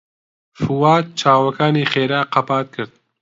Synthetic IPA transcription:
fuwaːt̪̚t͡ʃʰaːwɐkʰaːniːχeːɾaːqɐpaːt̪̚kʰɨɾd̪̚

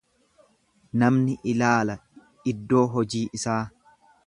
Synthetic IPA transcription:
nɐmnɪʔɪlaːlɐ | ɪd̪ːo̞ːɦɔd͡ʒiːʔɪsaː

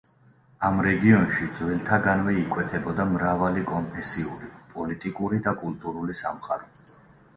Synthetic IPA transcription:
amɾɛɡiɔnʃid̪zwɛlˠt̪ʰaɡanvɛikʼwɛt̪ʰɛbɔd̪amɾavalikʼɔnpʰɛsiuɾipʼɔlit̪ʼikʼuɾid̪akʼult̪ʼuɾulisa̰mχaɾɔ

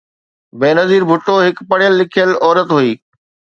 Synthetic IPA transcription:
beːnɐziːɾbʱʊʈːoɦɪkpɐɽ̤jəlːɪkʰijəlɔːɾət̪ɦuiː

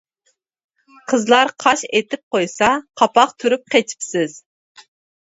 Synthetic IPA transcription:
qʰəzlˠɑɾqʰɑʃet̪ɪp̚qojsɑqʰɑpɑq̚t̪ʰyɾyp̚qʰet͡ʃʰi̥psɪz̥

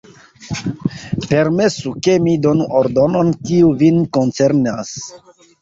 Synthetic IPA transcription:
pe̞ɾme̞suke̞mido̞nuʔoɾdono̞nkiuvinko̞nt͡se̞ɾnas

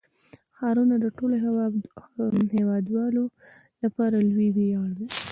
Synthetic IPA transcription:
xɑɾunad̪əʈolo | hewɑd̪wɑlo | lapɑɾalwibejɑɽd̪i

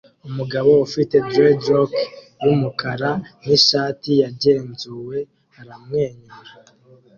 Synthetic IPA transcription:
umuɡaβo̞ufite̞dɾedɾok | jumukʰaɾan̥iʃaːtijaɟe̞ːnzuwe̞ | haɾamŋe̞ːɲuɾa

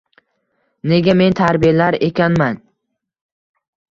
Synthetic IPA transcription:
ne̞ɡʲame̞nt̪ʰaɾbijalaɾe̞kʲanman

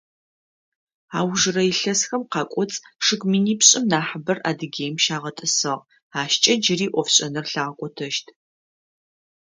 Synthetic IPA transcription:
aːwʒɨrɐjɪɬɐsxɐmqɑːkʷʼɔt͡sʼʂɨkʼmiːniːpɕʼɪmnaːħəbɐra̰ːdɨɡʲeːjmʃaːʁɐtʼɨsɨʁ | aːʃt͡ʃʼɐd͡ʒɪriːʔʷɔfɕʼɐnɐrɬaːʁɐkʷʼɔtʰɐʃtʰ

